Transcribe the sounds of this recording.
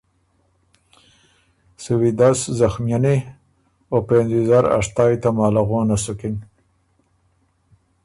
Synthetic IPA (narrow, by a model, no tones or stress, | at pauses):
suwid̪aszaxmijane | openzizaɾa̰ʂt̪ɑːjt̪amɑːlaɣoːnasukin